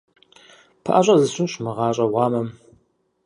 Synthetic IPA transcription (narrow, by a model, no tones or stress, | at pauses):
pʰa̰ʔɐɕʼɐzɨɕʷʊmɕmɨʁɑːɕʼɐwɑːmɐm